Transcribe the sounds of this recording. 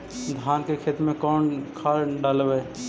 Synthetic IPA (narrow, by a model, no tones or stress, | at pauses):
d̪ʱjaːnkekʰeːt̪mẽkɔːnkʰaːɖaːlweː